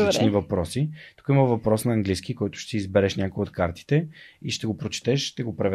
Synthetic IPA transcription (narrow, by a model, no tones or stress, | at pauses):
t͡ʃnivɐpɾɔsit̪u̥kəiməvɐpɾɔsnɐɐŋɡlisk̟ikɔjt̪ʊ̥ʃt̪ɛiizbɛɾɛʃnʲakojot̪kaɾt̪i̥t̪ɛiʃt̪ɛɡopɾot͡ʃɛ̥t̪ɛʃʃt̪ɛɡopɾɐvɛ